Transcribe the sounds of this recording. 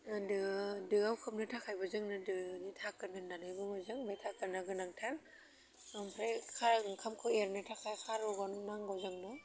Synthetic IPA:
dɯdɯawkʰɯmnɯtʰakʰajbazɯŋnɯdɯnitʰakɯɾnɯnanajbɯmazɯŋbajtʰakɯɾnaɡɯnaŋtʰal | mpʰɾakʰakʰamkʰɯeɾnɯtʰakʰajkʰaɾɔɡɔnnaŋɡawzɯŋnɔ

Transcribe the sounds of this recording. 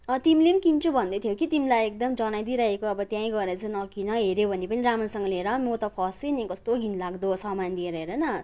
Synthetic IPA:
t̪imilenikint͡sʰubʱʌnd̪ʌt̪ʰjokit̪imilajek̚d̪ʌmd͡zʌnajd̪iɾʌɦekoʌbʌt̪jãĩɡʌeɾʌt͡sʌnʌkinʌɦeɾobʱʌnepʌniɾamansʌŋɡʌleɾʌmot̪ʌpʰʌsenikʌst̪oɡʱinlaɡd̪osʌmand̪ieɾʌɦeɾʌnʌ

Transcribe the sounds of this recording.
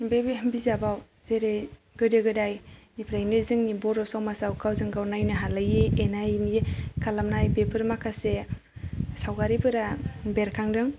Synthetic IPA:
bebbizabaw | zeɾɯj | ɡɯdɯɡɯdajnipʰɾajnɯzɯŋnibɔɾɔsawmasawkʰawzɯŋɡawnajnɯɦalajienajnikʰalamnajbepʰɯɾmakʰase | sawɡaɾibɯɾabeɾkʰaŋdɯŋ

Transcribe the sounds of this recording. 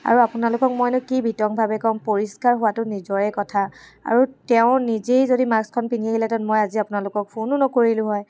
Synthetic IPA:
a̰ɹuapʊnalʊkɔk̚mojnʊkibʱitɔŋbʱabɛkɔmpoɹiskaɹɦʊwatʊnizɔɹɛkɔtʰaa̰ɹutɛʊ̃nizejzodimakskʰɔnpiniaɦilɛtɔnmɔjaziapʊnalʊkɔk̚pʰonʊnɔkoɹilʊ̃ɦɔj

